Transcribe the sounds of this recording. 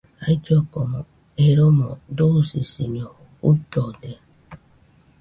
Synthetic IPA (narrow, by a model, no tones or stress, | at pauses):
aid͡ʒɔkɔmɔ | eɾomɔdosisiɲoutɔde